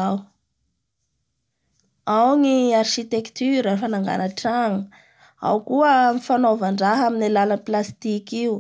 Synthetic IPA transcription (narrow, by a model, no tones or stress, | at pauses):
aw | awŋiarʃit̪ekt̪yɾəfanaŋɡa̰naʈ͡ʂaŋə | a̰wkuəmifanovaɳɖ͡ʐaɦaminalaləplast̪ikiu